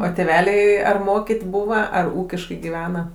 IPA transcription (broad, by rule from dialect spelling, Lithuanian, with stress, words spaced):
oː tʲeːˈʋʲæːlʲɛɪ ɐr ˈmoːkʲiːtʲ ˈbuːʋɐ ɐr ˈuːkʲɪʃkɐɪ ɡʲɪˈʋʲæːnɐ